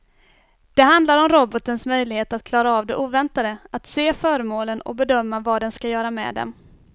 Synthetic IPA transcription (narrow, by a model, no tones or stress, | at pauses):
d̪̥ɛɦand̪laɾɔmɾɔbɔt̪ənsmœjlɪheːt̪at̪̚kʰlɑːɾaɑːvd̪ɛʔuːvɛnt̪ad̪əat̪seːfœːɾəmoːlənɔ̰bɛd̪œmːavɑd̪ɛnskajœːɾamɛ̰ːd̪ɛ̰m